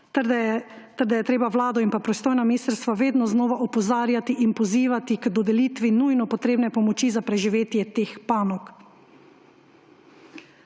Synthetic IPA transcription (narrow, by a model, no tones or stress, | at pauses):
t̪ɛɾd̪ajɛt̪ɾeːbaʋlaːd̪ɔinpapɾɔjist̪oːjnaminiːst̪ɾst̪ʋaʋeːd̪nɔznɔːʋaʔɔpɔzaːɾjat̪iʔinpɔziːʋat̪ikd̪ɔd̪ɛliːt̪ʋinujnɔpɔt̪ɾeːbnɛpɔmɔt͡ʃizapɾɛʒiʋeːt̪jɛt̪eːxpaːnɔk